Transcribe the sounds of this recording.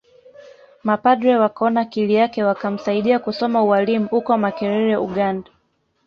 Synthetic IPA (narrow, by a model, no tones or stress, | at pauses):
mapadɾɛwakɔnakilijakɛwakam̩saiɗiakusɔmauwalimuhukɔmakɛɾɛɾɛuɠanda